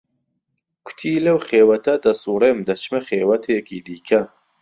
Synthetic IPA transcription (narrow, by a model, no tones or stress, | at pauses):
kʷʰʊ̥t̪ʰiːlɐwχeːwɐt̪ʰɐd̪ɐsuːɾeːmd̪ɐt͡ʃmɐχeːwɐt̪ʰeːkʰiːd̪iːkʰɐ